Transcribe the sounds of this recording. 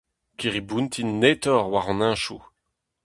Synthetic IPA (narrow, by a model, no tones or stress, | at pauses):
kiʁibũnt̪ʰinːet̪ɔʁwaʁɔ̃nɛ̃ʃu